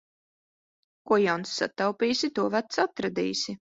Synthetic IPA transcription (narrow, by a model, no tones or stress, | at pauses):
kuɔjawnsːa̰t̪awpʲiːsʲit̪uɔvæt̪sat̪ɾad̪ḭːsʲi